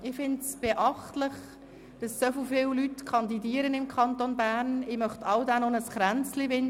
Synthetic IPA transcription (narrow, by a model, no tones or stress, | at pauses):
ɪfɪndsb̥eʔɑχtlɪχ | d̥ɑsːœflfɪːwlytkʰɑndidiːəɾənɪmkʰɑntonbæːɾnɪːmœχtʰɑwdanonəsχɾænt͡slivɪn